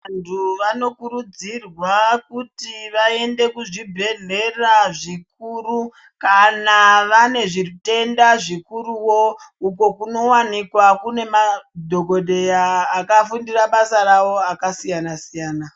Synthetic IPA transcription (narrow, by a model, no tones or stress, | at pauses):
antʰuʋano̞kuɾud͡zirwakutiʋae̞nde̞kuʐibʱe̞ɮe̞raʐik̚uːɾu | kanaʋane̞ʐite̞ndaʐikuɾuwouko̞kuno̞wanikwakune̞madʱo̞ɡʱo̞ɗe̞jaːkafundiraɓasaɾawo̞akasijanasijaːna